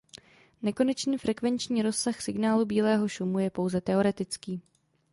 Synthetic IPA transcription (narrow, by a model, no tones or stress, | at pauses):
nɛko̞nɛt͡ʃniːfɾʔɛkvɛnt͡ʃɲiːɾo̞ssaxsɪɡnaːlubiːlɛːɦo̞ʃumujɛpo̞wzɛt̪ɛo̞ɾɛt̪ɪt͡skiː